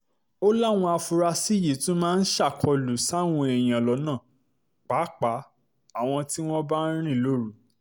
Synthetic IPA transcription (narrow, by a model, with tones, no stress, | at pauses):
o˦la˦˨w̃ɔ̃˧a˧fu˧ɾa˧si˦ji˨˦tũ˦mãː˦˧n̩˦ʃa˦˨kʰɔ˧lu˨˦sa˦˨w̃ɔ̃˧ɛ˨j̃ã˨lɔ˨˧˦nãː˦˨ | k͡pa˨˦k͡pa˨˦ | a˦˨w̃ɔ̃˧ti˦w̃ɔ̃˦ba˦n̩˦ɾ̃ĩ˦˨lo˦ɾu˨˦